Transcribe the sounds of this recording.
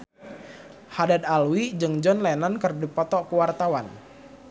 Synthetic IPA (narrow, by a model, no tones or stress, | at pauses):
hadad̪alwid͡ʒɨŋd͡ʒɔnlanankərdipɔt̪ɔkəwart̪awan